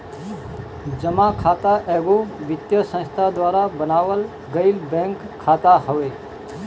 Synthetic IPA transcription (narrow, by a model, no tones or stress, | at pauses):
d͡ʒəmakʰat̪aʔɛːɡoʋɪt̪jəsə̃nst̪ʰad̪waːɾabənaːʋəl | ɡəilbɛ̃ŋkʰːaːt̪ahəʋe